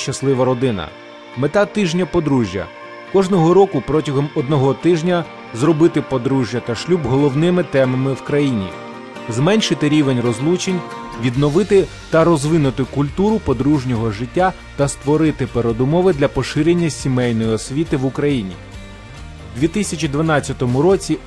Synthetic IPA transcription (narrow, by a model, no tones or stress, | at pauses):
ʃt͡ʃɐslˠɪʋɐɾɔd̪ɪnɐ̰ | met̪ɑt̪ɪʒnʲɐpɔd̪ɾuʒʲjɐ̰ | kɔʒnɔɦɔɾɔkʊpɾɔtʲɐɦɔmɔd̪nɔɦɔt̪ɪʒnʲɐ | zrɔbɪt̪ɪpɔd̪ɾuʒʲjɐt̪ɐʃlʲubɦɔlˠɔwnɪmɪt̪ɛmɐmɪwkɾɐjinʲḭ | zmɛnʲʃɪt̪ɪɾʲiʋenʲrɔzlˠut͡ʃenʲ | ʋʲid̪nɔʋɪt̪ɪ | t̪ɐɾɔzʋɪnʊt̪ɪkʊlʲt̪uɾʊpɔd̪ɾuʒnʲɔɦɔʐɪtʲːa | t̪ɐst̪ʋɔɾɪt̪ɪpeɾɔd̪ʊmɔʋɪd̪lʲɐpɔʃɪɾʲenʲːɐsʲimɛjnɔjiɔsʲʋʲit̪ɪʋʊkɾɐjinʲḭ | d̪ʲʋʲit̪ɪsʲɐt͡ʃʲid̪ʋɐnɑt͡sʲːɐt̪ɔmʊɾɔt͡sʲi